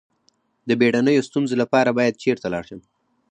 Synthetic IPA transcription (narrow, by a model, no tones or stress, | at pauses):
d̪əbeɽanəjost̪unzolapɑɾabɑjad̪̚t͡ʃeɾt̪alɑ̰ɽʃə